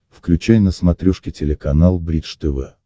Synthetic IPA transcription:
fklʲʉt͡ɕæjnəsmɐt̪ɾʲuʂkʲɪtʲɪlʲɪkɐnalˠbɾʲit̪ʂt̪əvɛ

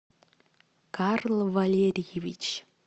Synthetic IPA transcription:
karlˠvalʲeɾʲjevʲit͡ɕ

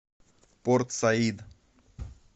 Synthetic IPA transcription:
poɾt̪said̪

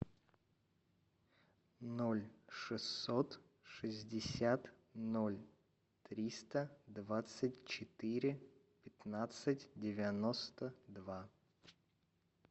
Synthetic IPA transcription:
nolʲʂɨsːot̪ | ʂɨzʲdʲɪsʲat̪ | nolʲ | t̪ɾʲist̪əd̪vat̪sɨtʲt͡ɕɪt̪ɪɾʲɪ | pʲɪt̪nat̪sɨtʲdʲɪvʲɪnost̪əd̪va

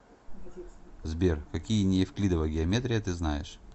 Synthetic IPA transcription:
zbʲerkɐkʲijənʲejfklʲid̪əvəjɡʲɪɐmʲet̪ɾʲɪjət̪ɨznajɪʂ

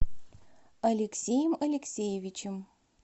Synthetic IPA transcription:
ɐlʲeksʲejɪmɐlʲeksʲejevʲit͡ʃɪm

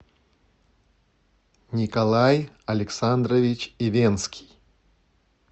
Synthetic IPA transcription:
nʲikalˠaj | ɐlʲɛksand̪ɾɐvʲit͡ʃivʲɛnskʲi̥j

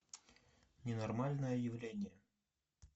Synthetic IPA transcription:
nʲɪnɐrmalʲnəjəjɪvlʲenʲɪjə

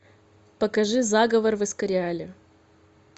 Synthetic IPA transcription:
pɐkɐʐɨzaɡəvərvɨskɐɾʲɪalʲɪ

